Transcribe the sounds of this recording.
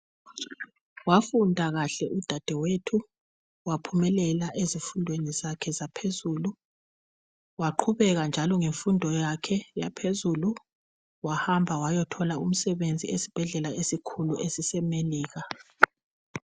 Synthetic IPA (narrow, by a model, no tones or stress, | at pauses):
wafundʱaɣaɬɛʔud̥ʱad̥ʱɛwetʰu | wapʰumɛlɛlaʔezifundʱwenizakʰɛzapʰezuːlu | waǃʰuβɛɣand͡ʒʱalɔŋeɱfundʱɔjakʰɛja̰pʰezulu | wahambʱawajɔtʰɔlaum̩sɛβend͡zʱiesi̥b̥ʱɛɮɛlaesikʰuluʔesisɛmeliːɣa